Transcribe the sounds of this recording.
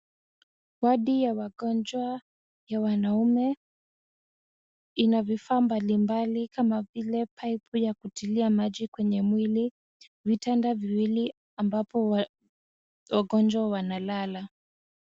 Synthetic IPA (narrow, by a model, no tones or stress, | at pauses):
waɗijawaɠɔnd͡ʒwa | jawanaumɛ | inavifaːmbalimbalikamavilɛpʰajpujakutiliamaʄikwɛɲɛmwili | vitandaviwili | ambapɔ | waɠɔnd͡ʒwawanalala